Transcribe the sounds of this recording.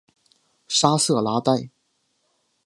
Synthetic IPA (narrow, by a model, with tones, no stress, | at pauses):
ʂa˥sɤ˥˩la˧˥t̪a˥˩ɪ